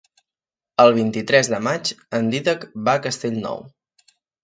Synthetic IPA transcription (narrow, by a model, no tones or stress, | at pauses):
əlˠβ̞int̪it̪ɾɛzðəmat͡ʃənd̪iðəkbakəst̪eʎʲnɔ̰w